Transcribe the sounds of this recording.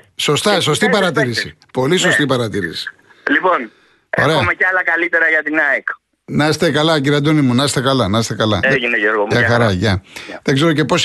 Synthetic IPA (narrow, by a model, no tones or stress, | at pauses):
so̞st̪ɐso̞st̪ipɐɾɐt̪iɾisḭ | po̞liso̞st̪ipɐɾɐt̪iɾḭsi̥ | lipo̞n | oeɾeoɐmecɐlɐkɐlit̪e̞ɾɐʝɐt̪inɐik | nɐst̪e̞kɐlɐciɾiɐd̪onimunɐst̪ekɐlɐnɐst̪e̞kɐlɐ̰eʝineʝoɾɣoɐxɐɾɐʝɐðeɡze̞ɾo̞ce̞po̞s